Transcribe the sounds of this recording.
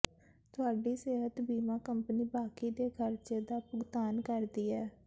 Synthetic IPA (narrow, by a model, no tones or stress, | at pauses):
t̪ʊaːɖiːseːɦət̪biːmãːkəmpniːbaːkiːd̪eːkʰəɾd͡ʒeːd̪aːpʊɡt̪aːnkəɾd̪iːɛː